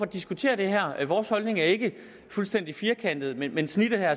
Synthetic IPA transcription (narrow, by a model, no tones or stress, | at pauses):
ɒd̥isɡ̥ut͡sʰe̝̰ːɐd̥e̝ɦæɐ̰ʋɒːshɒ̽lne̝ŋæɐe̝ɡ̥ə | fulsd̥en̰d̥ifiːɐkʰæn̰d̥ð̩ˠmenmensnid̥̩ˠhæɐ